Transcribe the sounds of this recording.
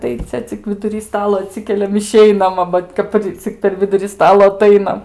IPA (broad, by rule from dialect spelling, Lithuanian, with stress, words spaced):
tɐɪ ˈt͡sʲɛ t͡sʲɪk ʋʲɪdʊˈrʲiː ˈstɑːlˠoː ɐˈtʲsʲɪkʲɛlʲɛm ɪˈʃʲɛɪnɐm ɐ ˈʋɐt kɐtɐˈrʲɪ t͡sʲɪk pʲɛr ˈʋʲɪdʊrʲɪ ˈstɑːlˠoː ɐˈtɐɪnɐm